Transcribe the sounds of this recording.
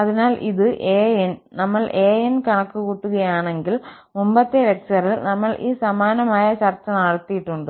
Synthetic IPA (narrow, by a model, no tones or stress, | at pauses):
ɐðinaːlʔḭðɨʔeːjennɐmːɐɭʔe̞ːjenkɐɳɐkːukuːʈːuɣɐjaːɳe̞ŋɡil | mumbɐt̪ːelek̚sɐrilnɐmːɐɭʔiːsɐmaːnɐmaːjɐt͡ɕɐrt͡ɕːɐnɐɽɐt̪ːijiʈːuɳɖɨ